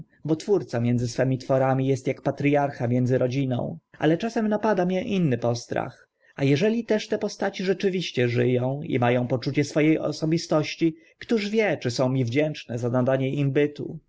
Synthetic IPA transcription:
bɔt̪fuɾt̪samʲjɛnd̪zɘsfɛmʲit̪fɔɾamʲijɛst̪jakpat̪ɾʲjaɾxamʲjɛnd̪zɘɾɔd͡ʑinɔ̰̃w̃ʔa̰lɛt͡ʂasɛmnapad̪amʲjɛʔinːɘpɔst̪ɾa̰x | ajɛʐɛlʲit̪ɛʂt̪ɛpɔst̪at͡ɕiʐɛt͡ʂɘvʲiɕt͡ɕɛʐɘjɔ̃w̃ḭmajɔ̃w̃pɔt͡ʂut͡ɕɛsfɔjejɔ̰sɔbʲist̪ɔɕt͡ɕi | kt̪uʐvʲjɛt͡ʂɘsɔ̃w̃mʲivd͡ʑɛnt͡ʂnɛzanad̪aɲɛimbɘt̪ṵ

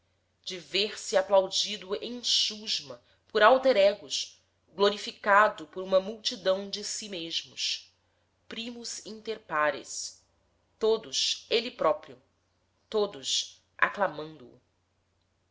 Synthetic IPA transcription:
d͡ʒɪveɾsɪaplawd͡ʒid̪ʊẽʃuʒmɐ | pʊɾawt̪eɾɛɡʊʃ | ɡloɾifikad̪ʊpoɾũmɐmuwt͡ʃid̪ɐ̃w̃d͡ʒɪsimeʒmʊʃ | pɾimʊz̥ĩnt̪eɾpaɾɪ̰s | t̪od̪ʊselɪpɾɔpɾiʊ | t̪od̪ʊs | ʔa̰klamɐ̃nd̪ʊ̰ː

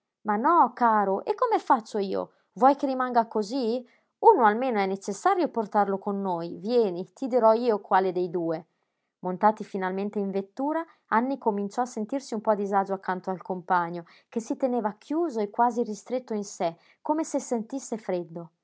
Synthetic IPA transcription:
manɔkaːɾoʔekːomefat͡ʃːoiːo̰ | vwɔjkeɾimaŋɡakozi | unoalmeːnoɛnːet͡ʃesːaːɾjoport̪arlokonːoːjvjɛːnit̪id̪iɾɔiːokwaːled̪ejd̪uːe | mont̪aːt̪ifinalment̪eiɱvet̪ːuːɾa | anːikomint͡ʃɔasːent̪iɾsiumpɔd̪izad͡ʒoakːant̪oalkompaɲːo | k̟esːit̪eneːvakʰjuːzoekːwaːzirist̪ɾet̪ːoinsɛ | kːomesesent̪isːefɾɛd̪ːo

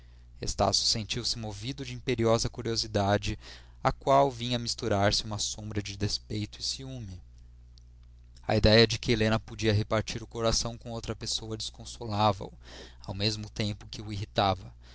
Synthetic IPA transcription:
ḛst̪a̰sjʊ̥sẽnt͡ʃiwsɪmovid̪ʊd͡ʒɪĩpeɾiɔzɐkuɾiozid̪ad͡ʒɪ | akwawvĩɲɐmist̪uɾaɾsɪũmɐsõbɾɐd͡ʒɪd̪espejt̪ʊɪsiũmɪ | ɐ̰id̪ɛjɐd͡ʒɪkɪelẽnɐpod͡ʒiɐɦepaɾt͡ʃiɾʊkoɾasɐ̃w̃kõowt̪ɾɐpesowɐd͡ʒɪskõsolavɐ̰ʊawmezmʊt̪ẽmpʊkɪʊiɦit̪avɐ

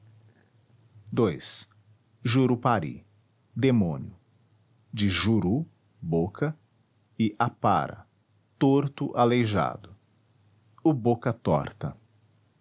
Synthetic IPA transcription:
d̪ojs | ʒuɾupaɾḭ | d̪emõniʊ | d͡ʒɪʒuɾu | bokʰɐ | ɪʔapa̰ɾɐ̰ | t̪oɾt̪ʊʔalejʒa̰d̪ʊ | ʊbokɐt̪ɔ̰ɾt̪ɐ̰

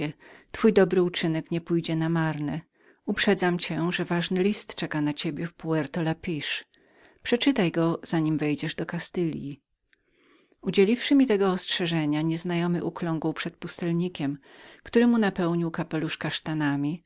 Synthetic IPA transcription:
t̪fujd̪ɔbɾɘut͡ʂɘnɛkɲɛpujd͡ʑɛnamaɾnɛ | upʂɛd̪zamt͡ɕɛʐɛvaʐnɘlʲist̪t͡ʂɛkanat͡ɕebʲjɛfpuɛɾt̪ɔlapʲiʂ | pʂɛt͡ʂɘt̪ajɡɔz̥aɲimvɛjd͡ʑɛʐd̪ɔkast̪ɘlʲji | ud͡ʑelʲifʂɘmʲit̪ɛɡɔɔstʂɛʐɛɲaɲɛznajɔmɘʔuklɔŋɡuwpʂɛt̪̚pust̪ɛlɲikʲɛmkt̪uɾɛmunapɛwɲiwkapɛluʂkaʂt̪anamʲi

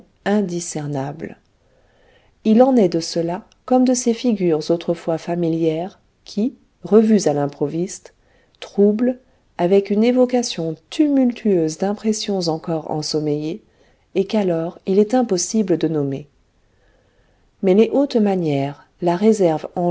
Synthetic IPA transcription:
ɛ̃d̪isɛʁnabl | ilɑ̃nɛd̪əsəla | kɔmd̪əsefiɡʲyʁzot̪χəfwafamiljɛʁ | kʲʰi | ʁəvyzalɛ̃pχɔvist̪ | t̪χubl | avɛkynevɔkasjɔ̃t̪ʰymylt̪ʰyøzd̪ɛ̃pχesjɔ̃zɑ̃kɔʁɑ̰̃sɔmejeː | kalɔʁilɛt̪ɛ̃pɔsibləd̪ənɔme | mɛleʔot̪manjɛʁ | laʁezɛʁvɑ̃

